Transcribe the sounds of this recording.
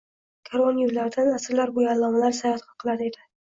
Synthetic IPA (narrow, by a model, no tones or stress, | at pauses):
kʰaɾonjʊɾlaɾd̪anasɾlaɾbʊjaːlˠːɒmalaɾsajɒt̪qʰɑqʰɨlˠad̪ɪe̞d̪ɪ